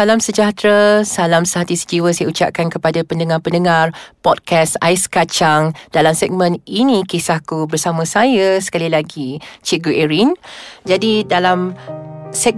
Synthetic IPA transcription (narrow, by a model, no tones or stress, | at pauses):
alamsəd͡ʒat̪ɾasalamsəɦat̪isə̥d͡ʒiwəsajaut͡ʃa̰ʔ̚kankəpadapəndəŋãrpəndəŋarpɔd̚kɛsa̰jskat͡ʃaŋd̥alamsɛɡ̚mə̃ninĩkisahkubərsamə̃sajasə̥kalilaɡit͡ʃiɡuʔɛɾind͡ʒadidalam | sɛk̚